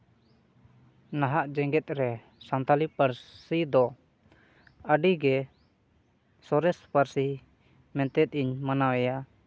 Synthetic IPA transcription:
naɦaʔd͡ʒɛŋɡɛt̪̚ɾɛ | sant̪alipaɾsid̪ɔ | əɖiɡɛ | sɔɾɛspaɾsi | mɛ̃nt̪ɛt̪̚ˀiɲmanawɛja

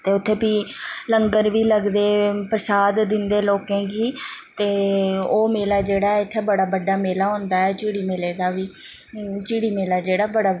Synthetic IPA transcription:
t̪eːʊt̪ʰːeːpiːləŋɡəɾʋiːləɡd̪eːpɾəsaːd̪d̪ɪnd̪eːloːkẽːɡiːt̪eːoːmeːlaːd͡ʒeːɽaːɛɪt̪ʰːeːbəɽaːbəɖːaːmeːlaːɦõːnd̪aːɛːt͡ʃiːɽiːmeːleːd̪aːʋiː | t͡ʃiːɽiːmeːlaːd͡ʒeːɽaːbəɽaː

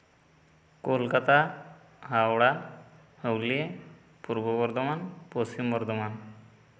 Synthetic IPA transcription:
kolkat̪a | ɦawɽa | həwlie | puɾbəbɔɾd̪ʱəmanposimbɔɾd̪ʱɔman

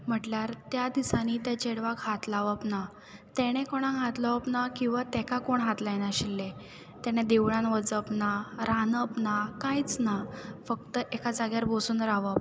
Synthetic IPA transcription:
m̤əʈljaɾt̪jad̪isaniːt̪ɛt͡ɕeɽʋakɦat̪laʋəpna | t̪ɛɽ̃ekɔɽ̃ãɦat̪laʋəpnakĩw̃ʋat̪ɛkakoɳɦat̪lajnaɕilːe | t̪ɛɽ̃ed̪eʋɭãnʋəd͡zəpnaɾanəpnakãjt͡snafəkt̪əʔekad͡zaɡjaɾbʱosuːnɾaʋəp̚

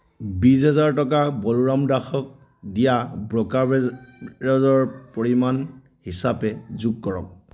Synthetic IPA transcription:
bizɛzaɹtɔkabɔluɹamdaxɔk̚ | dijabɹɔka | ɹɔzɔɹpɔɹiman | hisapɛzuɡ̚kɔɹɔ̰k̚

